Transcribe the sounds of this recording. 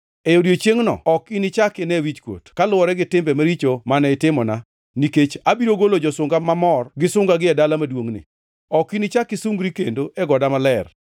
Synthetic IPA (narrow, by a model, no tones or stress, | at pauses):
ɛjodjot͡ʃjeŋnɔ̰ɔkinɪt͡ʃakɪnɛwit͡ʃkwo̰tkalʊwɔɾɛɡɪtɪmbɛmaɾit͡ʃomanɛɪtɪmɔna | niket͡ʃabiɾoɡolod͡ʒɔsʊŋɡamamɔrɡɪsʊŋɡaɡɪɛdalamadwoŋnɪ̰ | ɔkinɪt͡ʃakɪsʊŋɡɾikendoɛɡɔdamalɛr